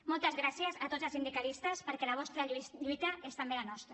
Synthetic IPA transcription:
mɔlˠt̪əzɣɾasjəzat̪ozalsind̪ikalist̪əspəɾkɛlaβ̞ɔst̪ɾaʎʎujt̪aest̪ambelanɔst̪ɾa

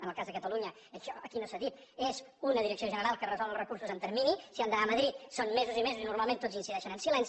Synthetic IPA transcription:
ənəlˠkazðəkət̪əluɲə | əʃɔʔəkinosəðit̪̚ | ezunəðiɾəksioʒənəɾalˠkərəzɔləlˠrəkuɾsuzənt̪əɾminisiand̪ənaməðɾit̪sonmezuzimezuzinuɾmalˠmẽnt̪od͡zinsiðɛʃənənsilɛns

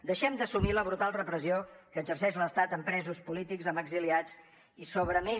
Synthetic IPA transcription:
d̪əʃɛmd̪əsumiləβɾut̪alˠrəpɾəziokəːzərsɛʃləst̪at̪əmpɾɛzuspulit̪ikzəməɡziliat͡s | isoβ̞ɾəme

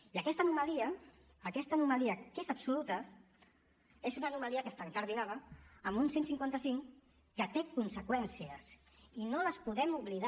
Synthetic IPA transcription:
iəkɛst̪ənumaliəː | kɛst̪ənumaliəkezapsulut̪ə | ezunanumaliəkəst̪aŋkaɾðinaβəːmunsensiŋkwant̪əsiŋ | kət̪ekunsəkwɛnsiəs | inoləspuðɛmuβliða

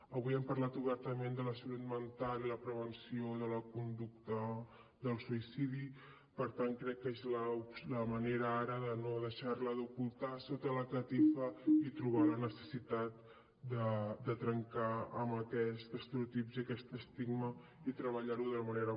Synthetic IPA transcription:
əβujɛmpəɾlat̪uβɛɾt̪əmẽnd̪ələsəlut̪mənt̪aliləpɾəβənsioðələkund̪uk̚t̪ə | d̪əlˠsuisiði | pəɾt̪aŋkɾɛkːezləusləməneɾəaɾəðənoðəʃaɾləðukulˠt̪asot̪ələkət̪ifəit̪ɾuβ̞alənəsə̥sit̪at̪̚ | d̪əd̪ət̪ɾəŋkaəməkɛst̪əst̪əɾut̪ipziəkɛst̪əst̪iɡmə | it̪ɾəβ̞əʎaɾuðələməneɾə

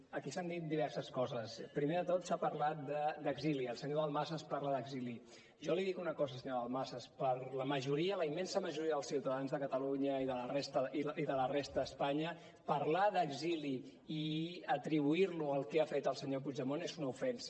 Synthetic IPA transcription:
əkisand̪it̪̚d̪iβ̞ɛrsəskɔzəspɾimeðət̪ot̪sapəɾlat̪̚d̪əd̪əɡziliəlˠsəɲoəlˠmasəspaɾləðəɡzili | ʒɔliðikunəkɔzəlsəɲoðəlˠmasəspəɾləməʒuɾiələimːɛnsəməʒuɾiəðəlˠsiwt̪əðanzðəkət̪əluɲəiðələrest̪əiðələrest̪əəspaɲə | pəɾlaðəɡzili | iət̪ɾiβ̞uiɾluəlˠkɛafet̪əlˠsəɲopud͡ʒəmonezunəufɛnsə

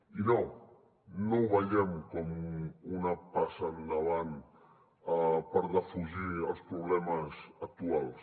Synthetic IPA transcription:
ino | nowβaʎɛmkɔmunapasand̪əβan | apəɾðəfuʒiəlˠspɾuβlɛməzak̚t̪ualˠs

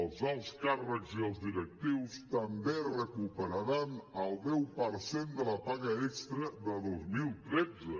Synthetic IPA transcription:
əlˠzalˠskarəkziəlˠzðiɾək̚t̪iwst̪əmberəkupəɾəɾanəlˠd̪ɛwpəɾsend̪ələpaɣəɛkst̪ɾəðəðozmilˠt̪ɾɛd͡zə

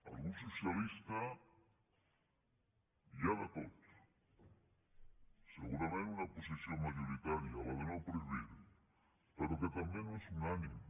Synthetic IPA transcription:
a̰lɣunsosjalist̪a | ʝaðak̪ot̪o̥ | seɣuɾameunaposisjoŋmaʝoɾit̪aɾjaβaβenopɾeβiɾ | peɾoket̪ambjenoesunanim

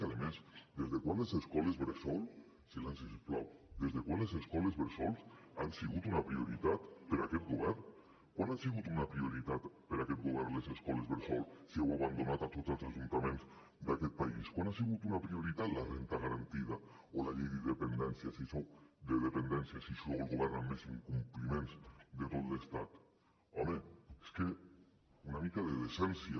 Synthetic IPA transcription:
aðemezd̪ezðekwanleseskɔlezβeɾsɔl | silansiʃpla̰wd̪ezðekwanlezeskɔlezβeɾsɔls | ansiɣut̪unapɾioɾit̪at̪peɾakɛt̪̚ɡuβɛɾ | kwanasiɣut̪unapɾioɾit̪at̪peɾakɛt̪̚ɡuβɛɾlezeskɔlezβeɾsɔlsiewaβand̪onat̪at̪ot̪zelˠsaʒunt̪amẽnz | d̪akɛt̪̚paiskwanasiɣ̞ut̪unapɾioɾit̪at̪larent̪aɣaɾant̪iða | olaʎejðiðepend̪ɛnsjasisowd̪eðepend̪ɛnsjasisowelˠɣuβɛɾnamːesiŋkumplimẽnzd̪et̪ot̪lest̪at̪ | ɔmeeske | unamikaðeðesɛnsja

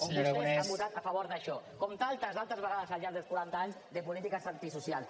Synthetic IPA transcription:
op̪eabut̪at̪afaβoɾðaʃɔkɔmt̪alˠt̪azalˠt̪əzβeɣaðəzalʎaɾɡðelˠskuɾant̪aaɲzðepulit̪ikasant̪isusjalˠ

